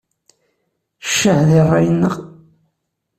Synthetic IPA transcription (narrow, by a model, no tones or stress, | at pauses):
ʃːəʕðirˤːɑjənːəʁ